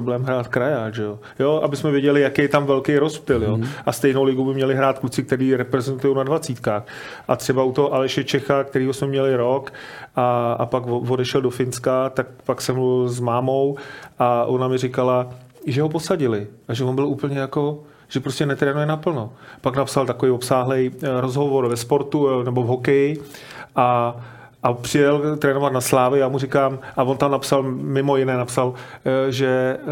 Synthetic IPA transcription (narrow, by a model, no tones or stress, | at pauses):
blɛːmɦɾaːt̪kɾajaːʒɛo | joʔabɪsmɛvjɛɟɛlɪjakejɛt̪amvɛlkejɾospɪljoʔast̪ɛjnowlɪɡubɪmɲɛlɪɦɾaːt̪̚klut͡sɪk̚t̪ɛɾiːɾɛpɾɛzɛnt̪ujownadvat͡siːt̪kaːx | ʔat̪r̝̥ɛbaut̪oɦoʔalɛʃɛt͡ʃɛxak̚t̪ɛɾiːɦo̞smɛmɲɛlɪɾo̞kʔaa̰pakovo̞dɛʃɛldofɪnskat̪ak̚paksɛmzmaːmowʔaʔonamɪrɪkala | ʒɛɦo̞po̞saɟɪlɪʔaʒɛvo̞nbɪluːpl̩ɲɛjako̞ | ʒ̥ɛpɾoscɛnɛt̪ɾɛːnujɛnapl̩nopaknapsalt̪akovijopsaːɦlɛjɾozɦo̞vo̞ɾvɛspo̞ɾt̪unɛbo̞vɦo̞kɛjɪʔa | ʔapr̥ɪjɛlt̪ɾɛːno̞vat̪naslaːvɪjaːmurɪkaːmʔavont̪amnapsalmɪmo̞jɪnɛːnapsalʒɛ